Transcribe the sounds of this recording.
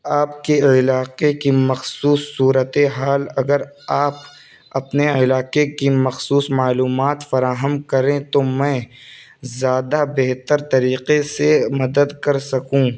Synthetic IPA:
aːpkeɪlaːqekimɐxsuːsːuːɾət̪eɦaːlɐɡəɾ | aːp̚ | ɐpneɪlaːqekimɐxsuːsmaːluːmaːt̪fɐɾaːɦəmkɐɾẽt̪omɛ̃ː | zjaːd̪abeɦt̪əɾt̪ɐɾiːqesemɐd̪əd̪kɐɾsɐkũː

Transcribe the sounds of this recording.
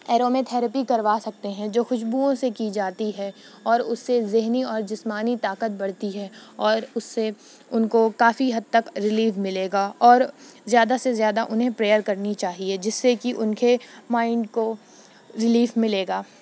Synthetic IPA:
ɛːɾoːmẽt̪ʰɛːɾəpikɐɾʋaːsɐk̚t̪eɦɛ̃d͡ʒoːxʊʃbuõsekid͡ʒaːt̪iɦɛ | ɔːɾʊsːezɪɦniɔːɾd͡ʒɪsmaːnit̪aːkət̪̚bɐɽ̤t̪iɦɛɔːɾʊsːe | ʊnkokaːfiɦɐd̪̚t̪ɐkɾɪliːʋmɪleːɡaːɔːɾzjaːd̪asezjaːd̪aʔʊnɦẽpɾeːjəɾkɐɾnit͡ʃaːɦied͡ʒɪsːekiʔʊnkemaːɪɳɖko | ɾɪliːfmɪleːɡaː

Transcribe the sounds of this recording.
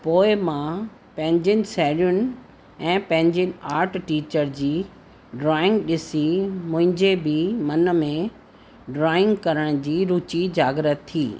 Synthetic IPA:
poːɪmã | pɐ̃ɦɪ̃ɲd͡ʑʊnɪ̆sɛːɽijʊnɪ̆ | ɛ̃ːpɐ̃ɦɪ̃ɲd͡ʑʊnɪ̆aːɾʈʈiːt͡ɕəɾd͡ʑiː | ɖɾaːɪ̃ŋɡɗɪsimʊ̃ɦɪ̃ɲd͡ʑebɪmɐnmẽ | ɖɾaːɪ̃ŋɡkɐɾəɽ̃d͡ʑiːɾut͡ɕid͡ʑaːɡɾət̪ʰːiː

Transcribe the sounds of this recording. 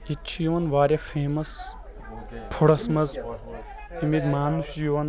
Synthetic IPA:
it͡ʃʰijuʋɐnʋaːɾʲɐfʰeːmɐs | pʰuɽɐsmɐz | imid̪maːnsjuɐn

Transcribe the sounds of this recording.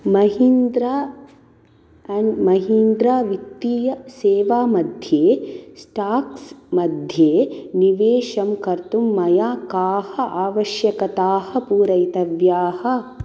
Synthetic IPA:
mɐɦind̪ɾa | mɐɦind̪ɾaːʋit̪ːijɐseːʋaːmɐd̪ʱjeːsʈaːksmɐd̪ʱjeːniʋeːʃɐmkɐɾt̪umːɐjaːkaːhɐʔaːʋɐʃjɐkɐt̪aːhɐ̆puːɾɐjt̪ɐʋjaːhɐ̆

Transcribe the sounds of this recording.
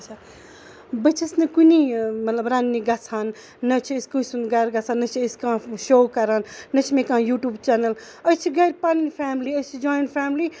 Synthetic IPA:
ɐt͡ʃʰa | bɐt͡ʃʰɐsnɨkunimɐt̪lɐbɾãːnːiɡat͡sʰaːnː | ɐt͡ʃʰieskusund̪ɡaɾɡat͡sʰaːnːɐt͡ʃʰieskãːʃoːkɐɾaːnːɐt͡ʃʰimẽkãːjuːʈjuːbt͡ʃɛːnɐl | ət͡ʃʰiɡɐɾpalinpʰaːmliɐt͡ʃʰid͡ʒaːjnpʰaːmli

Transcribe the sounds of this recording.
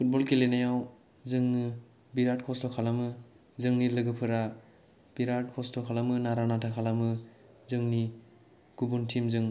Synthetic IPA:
pʰut̚bɔlkelenajaw | zɯŋnɯ | biɾat̚kʰɔstɔkʰalamɯ | zɯŋnilɯɡɯpʰɯɾa | b̥iɾat̚kʰɔstɔkʰalamɯnaɾanatʰakʰalamɯ | zɯŋni | ɡ̥ubuntʰimzɯŋ

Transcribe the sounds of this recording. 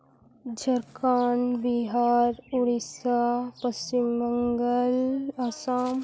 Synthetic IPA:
d͡ʒʱɐɾkaːnbiɦaːɾuɽisapəst͡ʃimːəŋɡəlasaːm

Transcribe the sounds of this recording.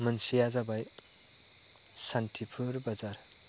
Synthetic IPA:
mʌnsijad͡zabaj | sanʈʰipʰuɾbʌd͡zar

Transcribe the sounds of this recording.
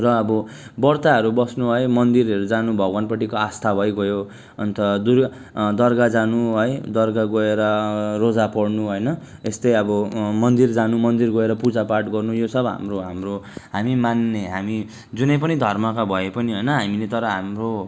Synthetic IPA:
rʌːbʌ | bʌrt̪aɦʌɾubʌsnuɦʌjmʌnd̪iɾʌɾud͡zanubʱʌɡwanpʌʈikoast̪ʰabʱʌjɡʌjo | ʌ̰nt̪ʌd̪ur | d̪ʌrɡad͡zanuɦʌjd̪ʌrɡaɡoeɾʌrod͡zapʌɽnuɦʌjnʌ | est̪ʌjʌbʌmʌnd̪ird͡zanumʌnd̪irɡʌeɾʌpud͡zapaʈɡʌrnujosʌbɦa̰mroɦamroɦamimanːeɦami | d͡zunʌp̬ʌnid̪ʱʌrmʌkabʱʌepʌniɦʌjnʌɦamilet̪ʌɾʌɦamro

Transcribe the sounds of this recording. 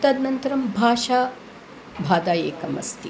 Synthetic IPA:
t̪ɐd̪nɐnt̪ɐɾɐmbʱaːʃaː | bʱaːd̪aːjeːkɐmɐ̰st̪ʰi

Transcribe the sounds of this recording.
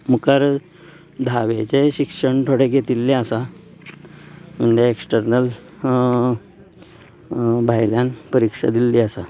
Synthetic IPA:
mukəɾ | d̪ʱaʋet͡seɕikʂəɳt̪ʰoɽeɡʱet̪ilːeasa | məɳd̪eeksʈəɾnəl | bʱajljanpəɾikʂa̰d̪ilːiasa

